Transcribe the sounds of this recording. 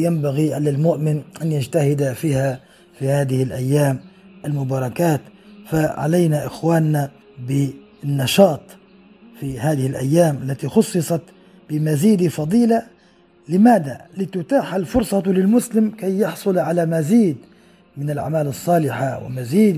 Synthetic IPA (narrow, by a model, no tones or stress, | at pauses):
jambaɣiʔalalmʊʔmɪnʔanjad͡ʒt̪ahɪd̪afiːha | fihaːd̪ɪhɪlʔajːaːmʔalmʊbɑːɾˤɑkaːt̪faʕa̰lajnaʔɪxwaːnːa | bɪ | nːɑʃɑːt̪ˤ | fihaːðɪhɪlʔa̰jːaːmʔalːat̪ixʊsˤːɨsˤɑt̪ | bɪmaziːd̪ifɑd̪ˤiːla | lɪmaːd̪alɪt̪ʊt̪aːħalfʊɾsˤɑlɪlmʊslɪmkajːɑħsˤʊlʕalamaziːd̪ | mɪnɪlʕa̰maːlɨsˤːɑːlɪħawɪ̰maziːd̪